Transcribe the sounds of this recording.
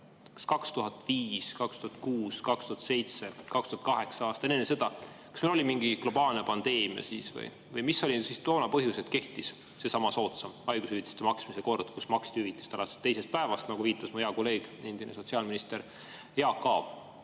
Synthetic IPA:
kɑ̥skɑkst̪uɦɑt̪ːˑviːskɑkst̪uhɑt̪̚kuːskɑkst̪uhɑt̪se̞jt̪sekɑkst̪uhɑt̪̚kɑɦe̞ksɑɑːst̪ɑnenesed̪̥ɑkɑ̥smelo̞limiŋɡ̥iɡ̥lo̞bɑːlnepɑnd̪̥e̞ːmiɑ̰sisvɤ̰j | vɤjmisːo̞lʲisist̪o̞ːnɑpɤɦjuset̪ke̞ht̪is | se̞sɑmɑso̞ːt̪sɑmɑjɡusyvit̪ːˑe̥st̪emɑksmiseko̞rd̪̥kusmɑksit̪hyvit̪ːˑe̥st̪ɑlɑse̥t̪ːe̞jse̞st̪̚pæevɑst̪nɑɡ̥uviːt̪ːˑɑsmuheɑko̞lːe̞ːɡ̥e̞nd̪̥inʔeso̞t̪siɑːlminist̪eɾ | jeɑkːɑːv̥

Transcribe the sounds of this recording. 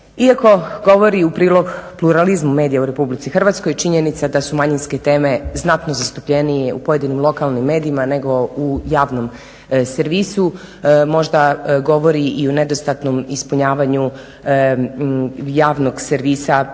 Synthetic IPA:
iako̞ɡo̞ʋo̞ɾiupɾiːlˠo̞ɡplˠuɾalizmume̞ːd̪ijauɾe̞publit̪sixr̩ʋat̪skojt͡ʃiɲenit̪sad̪asumaɲinsket̪e̞ːme̞znat̪nozast̪u̥pʎenijeupo̞je̞d̪inimlˠo̞kalˠnimːe̞ːd̪iimane̞ɡo̞ujaːʋno̞m | seɾʋiːsu | mo̞ʒd̪aɡo̞ʋo̞ɾiʔiuned̪ost̪at̪nomispuɲaːʋaɲu | jaːʋno̞ɡseɾʋiːsa

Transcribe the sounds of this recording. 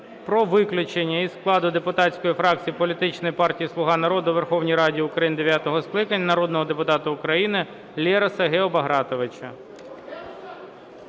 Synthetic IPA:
pɾɔʋɪklʲʊt͡ʃenʲːɐizklˠɑd̪ʊd̪epʊt̪ɑsʲkɔjifɾɑk̚t͡sʲijipɔlʲit̪ɪt͡ʃnɔjipɑrtʲijislˠʊɦɑnɐɾɔd̪ʊʋerxɔwnʲijɾɑdʲiʊkɾɐjind̪eʋʲjat̪ɔɦɔsklˠɪkɐnʲːɐnɐɾɔd̪nɔɦɔd̪e̞pʊt̪ɑt̪ʊʊkɾɐjinɪ | lʲɛɾɐsɐɦeɔbɐɦɾɑt̪ɔʋɪt͡ʃɐ

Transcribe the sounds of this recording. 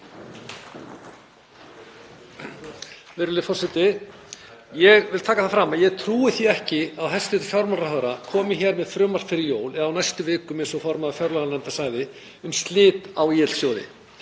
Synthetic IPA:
vɪɾʏlɪfɔrsɛt̪ɪ | jɛɣvɪlt̪ʰaːkaθafɾaːmajɛɣt̪ʰɾuːɪθiɛhcɪawɦɛst̪ɪt̪ʏ̥fjawɾmaɾaɦœɣɾakʰɔːmɪçɛɾmɛðfɾʏːmaɾ̥t̪fɪɾɪɾjoːwlɛðawnajst̪ʏvɪːkʏmɛ̥sɔfɔɾmaðafjœɾlaɣalɛnt̪asaːjðɪ | ʏmst̪lɪːt̪awɛːt̪l̥sjoːwðɪ̰

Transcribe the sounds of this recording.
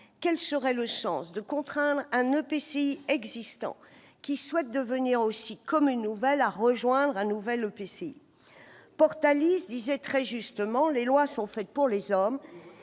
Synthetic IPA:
kʲɛlsəʁɛləsɑ̰̃sd̪əkɔ̃t̪χɛ̃d̪ʁɛ̃nøpeseiɛɡzist̪ɑ̰̃ | kʲiswɛt̪̚d̪əvəniʁosikɔmynːuvɛlaʁəʒwɛ̃d̪ʁɛ̃nuvɛløpeseḭ | pɔʁt̪alisd̪izɛt̪χɛʒyst̪əmɑ̃lelwasɔ̃fɛt̪̚puʁlezɔm

